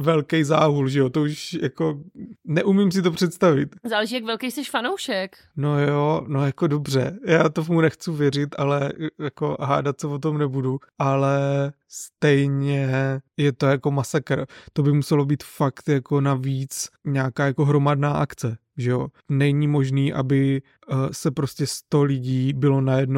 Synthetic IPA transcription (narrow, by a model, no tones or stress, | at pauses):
vɛlkɛjzaːɦulʒɛjot̪ouʃjako̞nɛʔumɪms̬ɪt̪opr̝̥ɛt̪st̪avɪt̪zaːlɛʒiːjakvɛlkejsɛʃfanowʃɛk | no̞joːno̞jako̞do̞br̝ɛ̰jaːt̪o̞vmunɛxt͡suvjɛɾɪt̪alɛjako̞̰ɦa̰ːdat̪̚sɛvo̞t̪̬o̞mnɛbuduʔalɛ | st̪ɛjɲɛjɛt̪o̞jako̞masakɾt̪o̞bɪmusɛlo̞biːt̪fakt̪jako̞naviːt͡sɲaːkaːjako̞ɦɾo̞madnaːʔakt͡sɛ | ʒɛjo̞ | nɛɲimo̞ʒniːʔa̰bɪ | sɛpɾo̞scɛst̪o̞lɪɟiːbɪlo̞najɛdno